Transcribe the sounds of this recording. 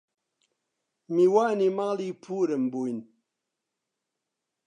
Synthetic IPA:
miwanimaŋlipʰuɾɛm̩buin

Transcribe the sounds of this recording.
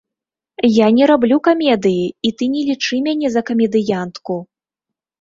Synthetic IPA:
janʲɛɾablʲukamʲɛd̪ɨjiit̪ɨnʲɛlʲit͡ʂɨmʲanʲɛzɐkɐmʲɛd̪ɨjant̪ku

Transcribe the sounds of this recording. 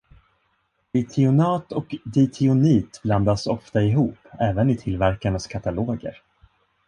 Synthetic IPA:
d̪ɪt̪ʰɪʊnɑːt̪ɔkd̪ɪt̪ʰɪʊniːt̪bland̪asɔ̰ft̪aɪɦuːpːɛːvənɪt̪ʰɪlvæɾkaɳaskʰat̪aloːɡə̰ɾ

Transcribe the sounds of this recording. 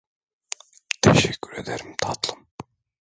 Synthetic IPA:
t̪ʰeʃɛcʰʲːyɾed̪eɾimt̪ʰɑt̪lˠɯm

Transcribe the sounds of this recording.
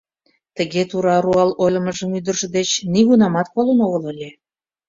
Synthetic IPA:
t̪əɣet̪uɾɑɾuɑlojlʲə̆məʒəmyd̪ə̆rʒə̆d̪et͡ɕniɣunɑmɑt̪kolənoɣələlʲe

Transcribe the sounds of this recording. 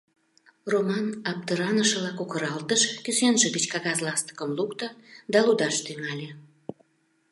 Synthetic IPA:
romɑnɑp̚t̪əɾɑnəʃəβlɑkukəɾɑlt̪əʃkysenʒə̆ɣət͡ɕkɑɣɑzlɑst̪ə̥kəmlukt̪əd̪ɑlud̪ɑʃt̪yŋɑlʲe

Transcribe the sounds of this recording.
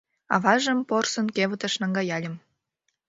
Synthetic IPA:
ɑ̰βɑʒə̆mporsɤ̆nkeβə̆t̪ə̆ʃnɑŋɡɑjɑlʲə̆m

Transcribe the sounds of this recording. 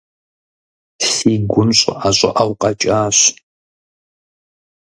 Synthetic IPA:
ɬiːɡʷʊnɕʼɐ̰ʔaɕʷʼɐ̰ʔɐwqʼɐt͡ʃʼaːɕ

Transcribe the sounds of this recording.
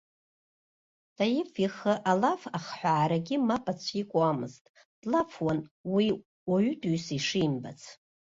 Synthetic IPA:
tʰʼajɪfiχəʔalafaχħʷaːɾaɡʲɪmapʼat͡ɕʷʰikʷʼuamɨztʼ | d̥lafʰwanwi | waɥʏtʼuɥsiʂimba̰t͡sʰ

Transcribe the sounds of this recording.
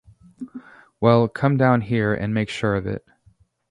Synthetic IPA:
wɛlˠkʰʌ̃mdãʊ̃nɦiɹɨ̰̃nmeɪkʃʊɹʌvɪ̰t̚

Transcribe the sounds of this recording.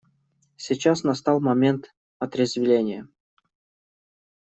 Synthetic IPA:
sʲit͡ɕasnɐst̪ɑlˠmɐmʲe̞nt̪ | ɐt̪ɾʲɪzʲvʲɪlʲenʲɪjə

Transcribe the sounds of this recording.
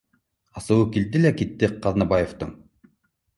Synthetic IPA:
ɑsɤ̆wɤkild̪ilækit̪ːɘqɑðnɑbajeft̪ɤŋ

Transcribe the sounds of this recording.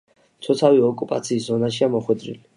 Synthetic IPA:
t̪sʰɔt̪sʰaviɔkʼupʼat̪sʰiːszɔnaʃiamɔχwɛd̪ɾḭli

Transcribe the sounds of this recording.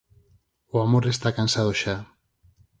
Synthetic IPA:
oamoɾest̪akansaðoʃa

